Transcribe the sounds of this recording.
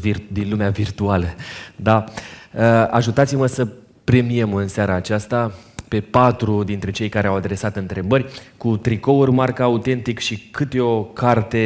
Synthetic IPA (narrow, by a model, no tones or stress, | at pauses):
vird̪inlumeavirt̪ualəd̪aəaʒut̪at̪siməsə | pɾe̞mie̞mɨnseaɾaːt͡ʃast̪ape̞pat̪ɾud̪int̪ɾe̞t͡ʃe̞jkaɾe̞awad̪ɾe̞sat̪ɨnt̪ɾe̞bərʲkut̪ɾiko̞urmarkaːut̪e̞nt̪ikʃikʰɨt̪eo̞kart̪e̞